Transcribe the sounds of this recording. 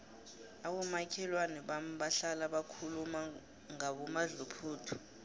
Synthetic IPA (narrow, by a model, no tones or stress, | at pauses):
aɓɔmakʰɛlwanɛɓamɓaɬalaɓakʰuluma | ŋaɓɔmaɮupʰuːtʰɔ̥